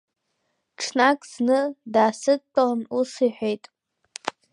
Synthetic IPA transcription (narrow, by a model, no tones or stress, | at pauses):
ʈ͡ʂʰnakʼz̥nɨdaːsɨtʼanusiħʷᶣejtʼ